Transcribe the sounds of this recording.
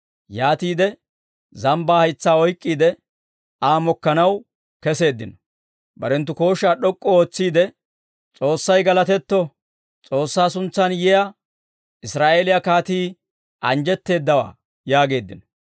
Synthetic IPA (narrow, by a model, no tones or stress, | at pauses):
jaːt̪iːd̪ɛ | zɐmbaːhɐjt͡sːaːɔjkʼːiːd̪ɛ | aːmɔkːɐnɐw | kɛse̞ːd̪ːɪnɔ̥ | bɐɾɛnt̪ːʊko̞ːʃaːɗɔkʼːɔoːt͡sːiːd̪ɛ | t͡sʼo̞ːsːɐjɡɐlɐt̪ɛt̪ːɔ | t͡sʼo̞ːsːaːsʊnt͡sːɐnjɛja | ɪsɾaːʔe̞ːlɪjakaːt̪iː | ʔɐnd͡ʒɛt̪ːe̞ːd̪ːɐwa̰ː | jaːɡe̞ːd̪ːɪnɔ